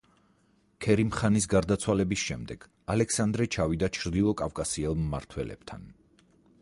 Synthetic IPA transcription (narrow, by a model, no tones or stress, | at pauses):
kʰɛɾimχanisɡaɾd̪at̪sʰwalɛbisʃɛmd̪ɛɡ̥ | alɛksand̪ɾɛt͡ʃʰavid̪at͡ʃʰɾd̪ilˠɔkʼafkʼasiɛlˠmːa̰ɾt̪ʰwɛlɛ̰b̥̚t̪ʰa̰n